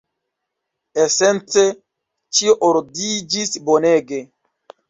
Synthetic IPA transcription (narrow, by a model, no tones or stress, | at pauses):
esent͡se | t͡ʃioʔoɾdid͡ʒisboneɡe̞